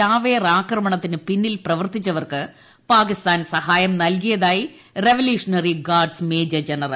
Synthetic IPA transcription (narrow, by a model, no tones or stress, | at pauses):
aːʋeːraːkrɐmɐɳɐt̪ːinɨpinːilprɐʋɐrt̪it͡ɕːɐʋɐrkɨ | paːkist̪aːnsɐhaːjɐmnɐlkijɐðaːji | re̞ʋɐljuːʂɐnɐriɡaːɖsmeːd͡ʑɐd͡ʑɐnɐrɐ̰l